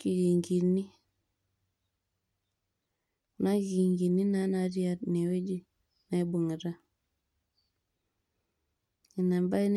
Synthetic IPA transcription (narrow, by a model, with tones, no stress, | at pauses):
ki˨ɾi˨ŋɡi˨ni˦˨ | na˦ɣi˨ŋɡi˨ni˦na˦na˨ɾi˦a˨tne˨we˦d͡ʒi˦ | na˨˦bu˨ŋi˨ɾa˦ | i˨na˨mba˦i˦n